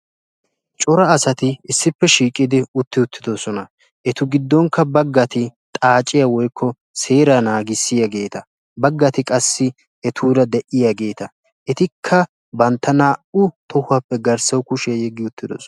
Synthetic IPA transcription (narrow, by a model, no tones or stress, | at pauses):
t͡ʃʼɔɾɐːsɐt̪ɪɪsːɪpːɛʃiːkʼːɪd̪ɪʊt̪ːɪʊt̪ːɪd̪osɔnɐ | ʔɛt̪ʊɡɪd̪ːɔŋkːɐbɐɡːɐt̪ɪt̪ʼaːt͡ʃʼɪjawɔjkʰːɔ | se̞ːɾanaːɡɪsːɪjaɡe̞ːt̪ɐ | bɐɡːɐt̪ɪkʼɐsːɪ | ɛt̪ʰuːd̪ɐd̪ɛʔɪjaɡe̞ːt̪ɐ | ʔɛt̪ɪkʰːɐ | bɐnt̪ːɐnaːʔʊt̪ɔhʊɐpːɛɡɐɾsɐwkʊʃɪjɐjɛɡːɪʊt̪ːɪd̪o̰ːsɔɐ